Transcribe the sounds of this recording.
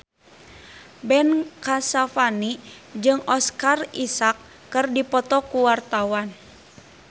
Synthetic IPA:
bɛnkasafanid͡ʒɨŋɔskarisakː | ɨrdipɔt̪ɔkuwart̪awan

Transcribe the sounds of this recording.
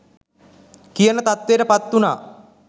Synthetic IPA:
kijənət̪at̪ʋeːʈəpat̪ːunaː

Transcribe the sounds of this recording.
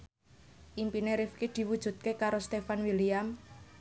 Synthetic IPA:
ʔimpineɾifkid̪̥i̤wud̥ʒ̥ṳt̪̚kekaɾost̪efanwiliam

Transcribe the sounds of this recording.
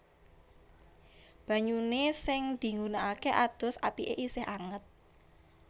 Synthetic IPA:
b̥ä̤ɲunesɪŋd̪̥i̤ŋɡunaʔakeʔad̪̥ɔ̤sa̰piʔḛʔisɪhaŋət̪̚

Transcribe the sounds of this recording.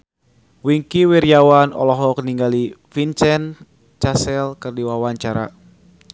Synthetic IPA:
wiŋkiwiɾjawanɔ̰lɔɦɔkəniŋɡalifint͡ʃɛn | t͡ʃasɛlkɨrdiwawaɲt͡ʃaɾa̰

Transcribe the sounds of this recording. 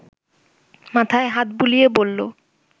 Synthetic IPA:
mat̪ʰaeɦat̪̚bulijebolːo̰

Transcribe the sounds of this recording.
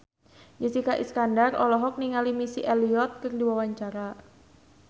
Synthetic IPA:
d͡ʒisikaʔḭskandarɔ̰lɔɦɔk̚niŋalimisiʔɛliɔt̪̚kɨrdiwawaɲt͡ʃaɾa

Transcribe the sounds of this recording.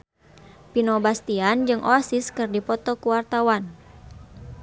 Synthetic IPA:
pinɔbast̪iand͡ʒɨŋʔoasiskɨrdipɔt̪ɔkuwart̪awan

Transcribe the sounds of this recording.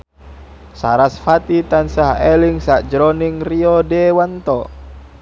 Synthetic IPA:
saɾasfat̪it̪ansaɦɛliŋsaʔd͡ʒɾɔniŋriɔdɛwant̪ɔ

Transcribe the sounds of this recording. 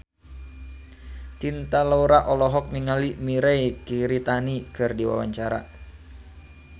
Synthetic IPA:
t͡ʃ̪int̪alouɾaʔɔlɔɦɔk̚niŋalimiɾɛjkiɾit̪anikɨrdiwa̰waɲt͡ʃaɾa̰

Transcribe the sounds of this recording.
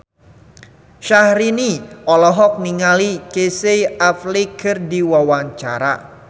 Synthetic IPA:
ʃahɾiniɔlɔɦɔk̚niŋalikesejaflikɨrdiwawaɲt͡ʃa̰ɾa̰

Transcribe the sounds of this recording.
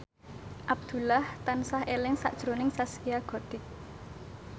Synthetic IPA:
ʔab̚d̪̥ṳlaht̪ansahelɪŋsa̰ʔd̥ʒ̥ɾonɪŋsasijaɡ̥ɔ̤d̪̥ɪk̚

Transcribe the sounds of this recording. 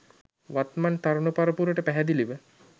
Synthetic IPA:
ʋat̪mant̪aɾunəpaɾəpuɾəʈəpæɦɛd̪iliʋə

